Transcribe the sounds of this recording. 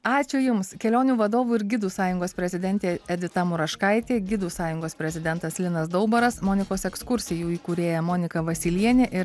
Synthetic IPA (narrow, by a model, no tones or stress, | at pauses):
ɑːt͡ʃʲʊjʊmskʲɛlʲoːnʲuːʋɐd̪oːʋuːɪɾɡʲɪd̪uːsɑːjʊŋɡoːspʲɾʲɛzʲɪd̪ʲɛnʲt̪ʲeːɛd̪ʲɪt̪ɑmʊɾɐʃkɐɪt̪ʲeːɡʲɪd̪uːsɑːjʊŋɡoːspʲɾʲɛzʲɪd̪ʲɛnt̪ɐslʲɪnɐsd̪ɔʊbɐɾɐsmoːnʲɪkoːsɛkskʊɾʲsʲɪjuːiːkuɾʲeːjɛmoːnʲɪkɐʋɐsʲɪlʲiɛnʲeːʔɪ